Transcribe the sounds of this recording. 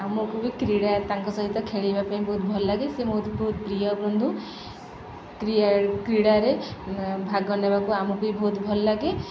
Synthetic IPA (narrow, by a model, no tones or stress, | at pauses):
amɔkubikɾiɽat̪aŋkɔsɔɦit̪ɔkʰeɭibapaĩbʱɔɦut̪bʱɔlɔlaɡesemɔut̪bɔɦut̪pɾijɔbɾɔnd̪ʱu | kɾikɾiɽaɾebʱaɡɔnebakuamɔkuibʱɔɦut̪bʱɔlɔlaɡe